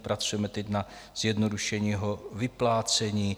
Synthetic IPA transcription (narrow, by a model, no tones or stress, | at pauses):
pɾat͡sujɛmɛt̪ɛcnaz̥jɛdnoduʃɛɲiːɦovɪplaːt͡sɛɲiː